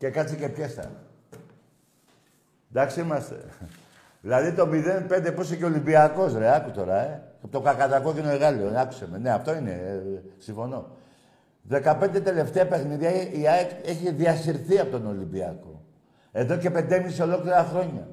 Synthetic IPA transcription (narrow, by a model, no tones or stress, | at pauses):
ce̞kɐt͡sice̞pçestɐ̰ | nd̪ɐksiimɐst̪e̞̰ | ðilɐðit̪o̞miðe̞npe̞nd̪eposeceolimbiɐko̞sɾeɐkut̪o̞ɾɐe̞pot̪okɐkɐðɐko̞cinoeɣɐlioɐku̥semeneɐft̪o̞ine̞̰siɱfo̞no̞ | ðe̞kɐpe̞nd̪e̞t̪e̞le̞ft̪eɐpe̞xniðʝɐiɐeçiðiɐsiɾθiɐpot̪ono̞limbiɐ̰ko̞̰ | e̞ðo̞ce̞pe̞nd̪e̞misio̞lo̞kliɾɐxɾo̞ɲɐ